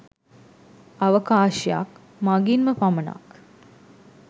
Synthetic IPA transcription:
ɐʋəkaːʃja̰k | maɡinməpaməna̰k

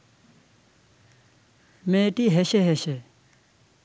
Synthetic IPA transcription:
meːʈiɦeɕeɦeɕe

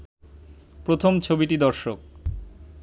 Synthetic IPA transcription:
pɾot̪ʰomt͡ɕʰobiʈid̪ɔɾʃok̚

